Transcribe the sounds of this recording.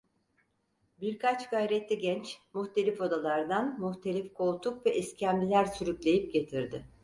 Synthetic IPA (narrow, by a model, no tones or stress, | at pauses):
biɾkʰat͡ʃɡajɾɛt̪lʲiɟɛnt͡ʃmuxt̪ʰe̞lʲifo̞d̪alˠaɾd̪anmuxt̪ʰe̞lʲifkʰo̞lˠt̪ʰukvɛʔɛscʰæmlʲilʲæɾsyɾyclʲe̞jip̚ɟe̞t̪ʰiɾd̪ɪ